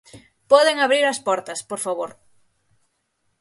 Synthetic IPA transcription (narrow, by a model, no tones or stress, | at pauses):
pɔðeŋaβɾiɾɐspɔɾt̪ɐspoɾfaβoɾ